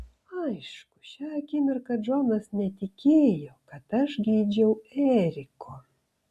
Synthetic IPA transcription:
ɐɪʃkʊ̥ʃʲɛɐkʲimʲɪɾkɐʒoːnɐsnʲɛt̪ʲɪkʲeːjokɐt̪ɐʃɡʲiːd͡ʒʲɛʊɛːɾʲɪkʰoː

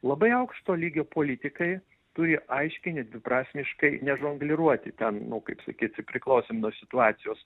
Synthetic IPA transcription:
lˠɐbɐɪɐʊkʃt̪oːlʲiːɡʲoːpoːlʲit̪ʲɪkɐɪ | t̪ʊɾʲɪʔɐɪʃʲkʲɪnʲɛd̪ʲʋʲɪpɾɑːsʲmʲɪʃkɐɪnʲɛʒoŋɡlʲɪɾuɔt̪ʲɪt̪ʲɛnnʊkɐɪpsɐ̰kʲiːt̪sʲɪpʲɾʲɪklˠɐʊsʲeːmnuɔsʲɪt̪ʊɑːt̪sʲɪjoːs

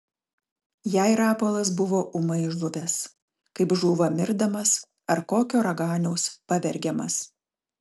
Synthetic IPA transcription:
jæˑɪɾɑːpoːlˠɐs̬bʊʋoːʔʊmɐɪʒlˠʊʋʲɛs | kɐɪpʒuːʋɐmʲɪɾd̪ɐmɐs | ɐɾkoːkʲoːɾɐɡɑːnʲɛʊspɐʋʲɛɾʲɡʲɛmɐ̰s

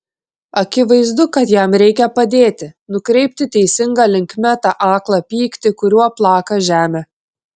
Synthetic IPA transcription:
ɐkʲɪʋɐɪzd̪ʊkɐt̪jɛmɾʲɛɪkʲɛpɐd̪ʲeːt̪ʲɪnʊkɾʲɛɪp̚ʲt̪ʲɪt̪ʲɛɪsʲɪŋɡɐlʲɪŋʲkmʲɛt̪ɑʔɑːklˠɐpʲiːkt̪ʲɪkʊɾʲuɔplˠɑːkɐʒʲæːmʲeː

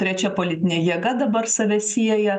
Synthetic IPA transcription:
t̪ʲɾʲɛt͡ʃʲɛpolʲɪt̪ʲɪnʲɛjiɛɡɐd̪ɐbɐrsɐʋʲɛsʲiɛjɛ

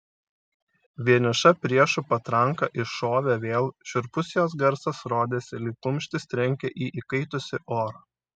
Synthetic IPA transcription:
ʋʲiɛnʲɪʃɐpʲɾʲiɛʃʊpɐt̪ɾɐŋˑkɐʔɪʃoːʋʲɛʋʲeːlˠʃʲʊɾpʊsʲjoːs̬ɡɐɾsɐsɾoːd̪ʲeːsʲɪlʲɪkʊmʲʃʲt̪ʲɪst̪ʲɾʲɛŋʲkʲɛʔiːʔikɐɪt̪ʊsʲɪʔoːɾɐː

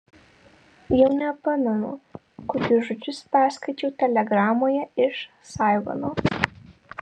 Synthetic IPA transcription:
jɛʊnʲɛɐpɐmʲɛnʊ̰ | kokʲʊʒʊt͡ʃʲʊspʲæːskɐɪt͡ʃʲɛʊt̪ʲɛlʲɛɡɾɑːmoːjɛɪʃ | sɑˑɪʋɐ̰noː

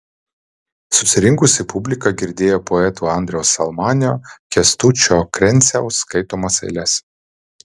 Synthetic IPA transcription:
sʊsʲɪɾʲɪŋkʊsʲɪpʊbʲlʲɪkɐɡʲɪɾʲd̪ʲeːjoːpoɛt̪uːɐˑnʲd̪ʲɾʲɛʊsɐlˠmɑːnʲɪjoːkʲɛst̪ut͡ʃʲoːkɾʲɛnʲsʲɛʊskɐɪt̪oːmɐsɐ̰ɪlʲɛs

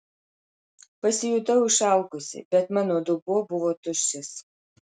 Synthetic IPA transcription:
pɐsʲɪjʊt̪ɐʊɪʃɑˑʊkʊsʲɪ̰bʲɛt̪mɑːnoːd̪ʊbuɔbʊʋoːt̪ʊʃʲsʲɪs

